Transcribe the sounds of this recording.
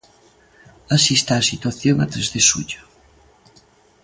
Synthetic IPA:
asist̪aːsit̪waθjoŋat̪ɾezðesṵʎo

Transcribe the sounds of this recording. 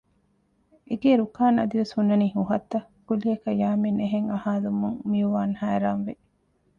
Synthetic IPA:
ʔeɡeːɾukaːnɐ̰d̪iʋeshunːɐniːhuɦɐt̪ːɐ | kulijɐkɐjaːmeneɦeŋɐhaːlumuŋmiuʋaːnhæːɾaːnʋe

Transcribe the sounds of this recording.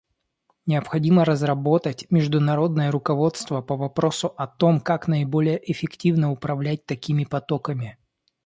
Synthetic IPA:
nʲɪɐpxɐdʲiməɾəzrɐbo̞t̪ətʲmʲɪʐd̪ʊnɐɾo̞d̪nəjəɾʊkɐvo̞t̪st̪vəpəvɐpɾo̞sʊʔɐt̪o̞mkaknəɪbo̞lʲɪjəʔɪfʲɪktʲivnəʊpɾɐvlʲæt̚ʲt̪ɐkʲimʲɪpɐt̪o̞kəmʲɪ

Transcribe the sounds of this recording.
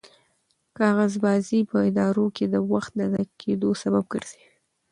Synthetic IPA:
kɑɣazbɑzipəɪd̪ɑɾoked̪əwaxt̪̚d̪ad̪akʰed̪osabab̚ɡə̰ɾz̥i

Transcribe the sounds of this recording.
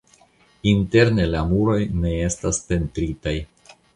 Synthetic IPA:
inte̞ɾne̞lamuɾo̞jne̞e̞staspe̞ntɾitaj

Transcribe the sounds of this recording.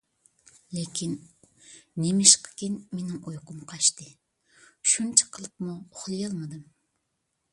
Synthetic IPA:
lekʲʰinː | emɪʃqʰɨ̥kʲinmenɪŋujqʊmqʰɑʃt̪ɨ | ʃunt͡ʃʰɪ̥qʰəlˠɨpmuoχlˠɨjɑlˠmɨd̪ɨm

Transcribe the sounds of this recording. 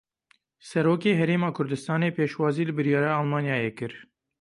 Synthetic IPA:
sɛɾoːkeːɦɛɾeːmɑːkʰʊɾd̪ɨst̪ɑːneːpeːʃwɑːziːlɨbɨɾjɑːɾɑːalmɑːnjɑːjeːkɨɾ

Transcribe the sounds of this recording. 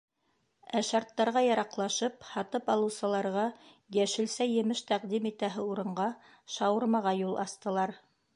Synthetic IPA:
æʃɑɾt̪ːɑɾʁɑjɑɾɑqlˠɑʃɤphɑt̪ɤpɑlˠɤ̆wsɤ̆lˠɑɾʁɑ | jæʃɘ̆lsæjɘ̆mɘʃt̪æqd̪imit̪æɦɘuɾɤ̆ɴɢɑ | ʃɑwɤ̆ɾmɑʁɑjulˠʔɑst̪ɤ̆lˠɑɾ

